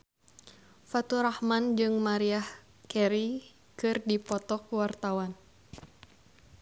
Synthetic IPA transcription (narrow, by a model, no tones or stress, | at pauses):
fat̪uɾahmand͡ʒɨŋmaɾiah | kɛɾi | kɨrdipɔt̪ɔkuwart̪awan